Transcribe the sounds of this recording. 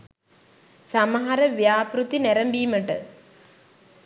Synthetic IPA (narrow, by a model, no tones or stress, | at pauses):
samɐɦɐɾəʋjaːpɾut̪inɛɾɐmbiːməʈə